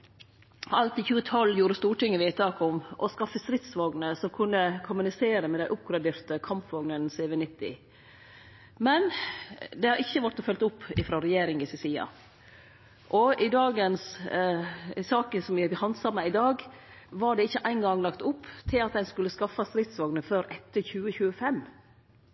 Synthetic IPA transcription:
ɑlt̪ɪçʉːət̪ʰɔlːjuːɾəst̪uːʈɪŋːəʋiːt̪ɑːkɔmʔɔskɑfːəst̪ɾɪt̪sʋɑɡnəsɔmkʰʉnːəkʰʊmʉnɪseːɾəmɛd̪æɪʔʊp̚ɡɾɑd̪eːɾt̪əkʰɑmpʋɑɡnənseːʋɛnɪt̪ːɪ̰ | mɛnd̪ɛhɑɾɪçːəʋæʈɔfœlt̪ʊpːɪfɾɑːɾɛjeːɾɪŋɪsɛsiːɑ̰ | ʔɔɪd̪ɑːɡəns | sɑːkənsɔmjɪhɑnd̪sɑɾmæɪɪd̪ɑːɡ | ʋɑɖɛɪçːəʔæɪnɡɑŋlɑkt̪ʊpːt̪ʰɪlɑt̪̚d̪ɛnskʉlːəskɑfːɑst̪ɾɪt̪sʋɑɡnəføːɾʔɛt̪ːəɾçʉːəçʉːəfɛmː

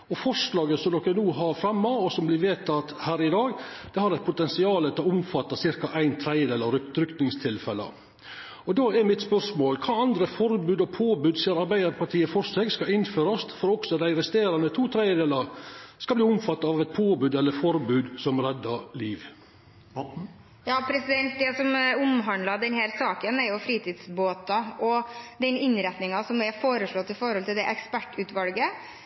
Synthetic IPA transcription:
ɔfɔʂlɑːɡəsɔmd̪ɔkːənuːɦɑɾfɾɑmːɑɔsɔmblɪɾʋeːt̪ʰɑt̪hæːɾɪd̪ɑːɡd̪̥ɛhɑɾɛt̪̚pʰʊt̪ɛnsɪɑːlət̪ʰɪlɔʊmfɑt̪ːɑsɪɾkɑʔæɪnt̪ʰɾæɪəd̪eːlɑɾɾʏkt̪nɪŋst̪ʰɪlfɛlə̰ | ɔd̪oːɛɾmɪt̪spœɾʂmoːlkʰɑːɑnd̪ɾəfɔɾbʉːd̪ɔpʰoːbʉːd̪siːəɾɑɾbæɪd̪əɾpʰɑʈ̪ʰiːəfɔɾsɛɡskɑɪnføːɾɔst̪fɔɾɔksɔd̪æɪɾɛst̪eːɾɑnət̪ʰuːt̪ʰɾæɪjəd̪eːlɑskɑbliːʊmfɑt̪ːɑɑʋɛt̪̚pʰoːbʉːd̪ɛlːəɾfɔɾbʉːd̪sɔmɾɛd̪ːɑɾliːʋ | jɑːpʰɾɛsɪd̪ɛnt̪̚d̪ɛsɔmʊmɦɑnd̪lɑd̪ɛnhæːɾsɑːkənɛɾjʊfɾiːt̪ʰiːd̪sboːt̪ɑʔɔd̪ɛnɪnɾɛt̪nɪŋɑsɔmɛfoːɾəʂɭɔt̪ːɪfɔɾhɔlt̪ɪld̪ɛʔɛkspæʈːʉːt̪ʋɑlɡə

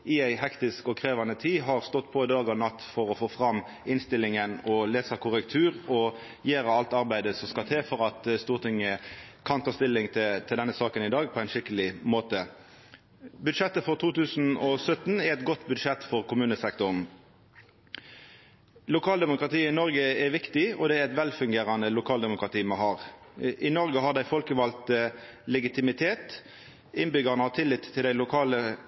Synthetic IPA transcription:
ɪæɪɦɛkt̪ɪskɔkʰʁeːʋɑnət̪ʰiːɦɑʁst̪ɔt̪ːpʰɔɪd̪ɑːɡɑnɑt̪ːfɔʁɔfoːfʁɑmː | ɪnst̪ɪlːɪŋənɔleːsɑkʰʊʁəkt̪ʰʉːʁɔ | jeːɾəɑlt̪ɑʁbæɪd̪əsɔmskɑlt̪ʰeːfɔʁɑt̪st̪uːʁt̪ʰɪŋːəkʰɑnt̪ʰɑːst̪ɪlːɪŋt̪t̪ʰɪld̪ɛnːəsɑːkənɪd̪ɑːɡ̚pʰɔæɪnʃɪkəlɪmoːt̪ə | bʉd̪ʂɛt̪ːəfɔʁt̪ʰuːt̪ʉːsn̩ɔsœt̪nɛɾɛt̪̚ɡɔt̪bʉd̪ʂɛt̪ːfɔʁkʰʊmʉːnəsɛkt̪ʊʁn̩ | lʊkʰɑːld̪ɛmʊkʁɑt̪iːɪnɔʁɡəɛʋɪkt̪ɪɔd̪ɛæɾɛt̪ʋɛlfʉŋɡeːɾɑnəlʊkʰɑːld̪ɛmʊkʁɑt̪iːmɑɦɑːʁ | ʔɪnɔʁɡəɦɑʁd̪æɪfɔlkəʋɑlt̪lɛɡɪt̪ʰɪmɪt̪ʰeːt̪ | ɪnbʏɡəʁnəɑʋt̪ʰɪlːɪt̪ʰːɪld̪æɪlʊkʰɑːlə

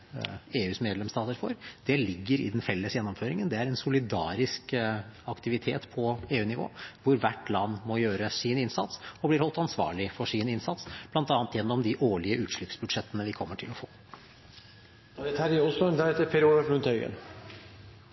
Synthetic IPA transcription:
eːʉːsmeːd̪lɛmst̪ɑːt̪əɾfɔɾd̪̥ɛlɪɡːəɾɪ̰d̪ɛnfɛlːəsjɛnːɔmføːɾɪŋənd̪ɛæɾɛnsʊlɪd̪ɑ̰ːɾɪskɑkt̪ɪʋɪt̪ʰḛːt̪pʰɔeːʉːnɪʋo̰ːʋʊɾʋæʈːlɑnːmɔjøːɾəsɪnɪnsɑ̰t̪sɔblɪɾhɔlt̪ɑnsʋɑ̰ːɭɪfɔʂɪnɪnsɑt̪sb̥lɑnt̪ɑːnt̪jɛnːɔmd̪ɪʔoːɭɪəʔʉːt̪ʂɭʏpsbʉd̪ʂɛt̪ːənəʋɪkʰɔmːəʈʰɪlɔfo̰ː | d̪ɛt̪hæːɾæɔsɔɛnd̪æɾɛt̪ːəpʰɛɾuləflʉnt̪ʰœʏɡə̰n

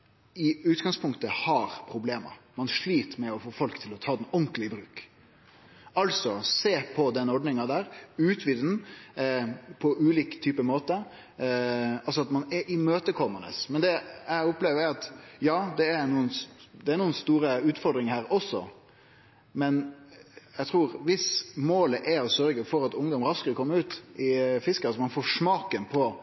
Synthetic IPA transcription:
ɪʉːt̪ɡɑŋspʰʊŋkt̪əhɑɾpʰɾʊbleːmə̰ɾmɑnʂɭiːt̪əmɛɔfoːfɔlkt̪ʰɪlɔt̪ʰɑːd̪ɛnɔŋklɪəbɾʉːk | ɑlsɔseːpʰɔd̪ɛnːɔɖnɪŋɑd̪æːɾʉːt̪ʰʋɪd̪n̩ | pʰɔʔʉːliːkt̪ʰyːpəmoːt̪ə | ɑlsɔɑt̪mɑnɛɾʔɪmøːt̪əkʰɔmənə̰smɛnd̪ɛæɪʊpleːʋəɾɾɑt̪jɑːd̪ɛæɾnuːənd̪ɛæɾnuːənst̪uːɾəʉːt̪fɔɾd̪ɾɪŋhæːɾɔsːɔ̰ | mɛn | jæɪt̪ʰɾuːɾʋɪsmoːləʔæɾɔsœɾɡəfɔɾɑt̪ʊŋd̪ɔmɾɑskəɾɔkʰɔmːəʉːt̪ɪfɪskəɑsɔmɑnfoːʂmɑːkənpʰɔ

